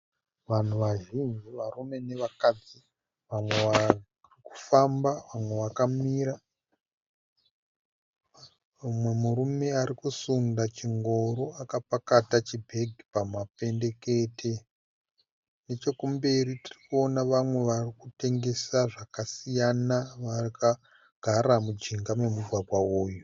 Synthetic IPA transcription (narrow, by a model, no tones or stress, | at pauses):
ʋan̤uʋaʒind͡ʒiʋarume̞ne̞ʋakad͡zi | ʋamwe̞ʋa | riku̥fambaʋamwe̞ʋakamiɾa | mwe̞muɾume̞aɾikusundat͡ʃiŋɡo̞ɾoakapakatat͡ʃibʱe̞ɡʱipamape̞nde̞ke̞ːtʰe̞ | ne̞t͡ʃo̞kumbe̞ɾitirikuo̞naʋamwe̞ʋarikute̞ŋɡe̞saʐakasijanaʋarika | ɡ̥ʱaramud͡ʒiŋɡame̞muɡʱwabʱwaoːju